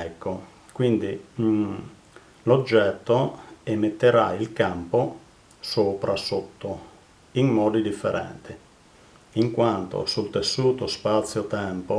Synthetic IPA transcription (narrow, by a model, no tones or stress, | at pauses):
ɛkːo | kwind̪i | lod͡ʒːɛt̪ːoemet̪ːeɾailkampo | soːpɾʔasot̪ːo | iŋmɔːd̪id̪ifːeɾɛ̰nt̪i | iŋkwant̪o̰sult̪esːuːt̪ospat̪sːjot̪ɛmpo